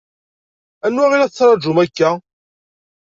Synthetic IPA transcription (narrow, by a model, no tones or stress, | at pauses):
ænːwæʁiɾæt͡sːɾˤɑd͡ʒumækːæ